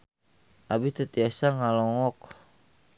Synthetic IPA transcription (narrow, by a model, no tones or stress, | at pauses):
ʔabit̪ət̪iasaŋalɔŋɔk